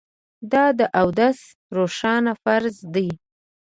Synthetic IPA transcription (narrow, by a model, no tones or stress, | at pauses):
d̪ɑd̪əʔawd̪as | ɾoʃɑnafaɾzd̪əj